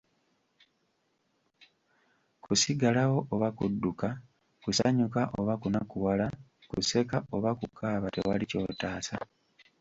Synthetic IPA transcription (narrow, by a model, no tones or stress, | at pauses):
kusiɡalawo̞ʔoβakudːuka | kusaɲukaʔo̞βakunakuwala | kṵse̞kao̞βakukʰaːβate̞̰walico̞̰ːtaːsa